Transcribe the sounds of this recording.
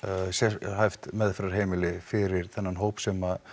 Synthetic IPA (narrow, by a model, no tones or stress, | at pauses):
sɛhajft̪mɛðfɛɾaɾ̥ɦeːjmɪlɪfɪɾɪɾ̥θɛnːanɦoːwpsɛma